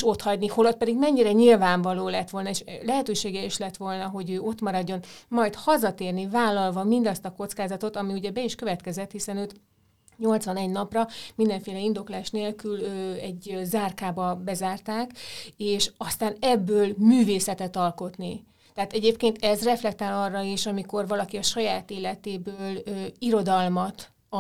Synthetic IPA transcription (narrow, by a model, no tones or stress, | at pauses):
ʃo̞t̪hɒɟniho̞lot̪̚pɛd̪iɡmɛɲːiɾɛɲilvaːɱvɒloːlɛt̪ʋo̞lnɒeːʃlɛɦɛt̪øːʃeːɡɛiʃlɛt̪ʋo̞lnɒɦo̞ɟøːo̞t̪mɒɾɒɟːo̞nmɒjt̪hɒzɒt̪eːrnivaːlːɒlvɒmind̪ɒst̪ɒko̞t̪skaːzɒt̪o̞t̪ɒmiuɟɛbɛiʃkø̞vɛt̪kɛzɛt̪hisɛnøːt̪ | ɲo̞lt̪sʋɒnɛɟnɒprɒmind̪ɛɱfeːlɛind̪o̞klaːʃneːlkyløːɛɟzaːrkaːbɒbɛzaːrt̪aːkeːʃɒst̪aːnɛbːøːlmyːveːsɛt̪ɛt̪ɒlko̞t̪ni | t̪ɛaːt̪ɛɟeːpkeːnt̪ɛzrɛflɛk̚t̪aːlɒrːɒeːʃɒmiko̞rvɒlɒkiɒʃɒjaːt̪eːlɛt̪eːbøːløːiɾo̞d̪ɒlmɒt̪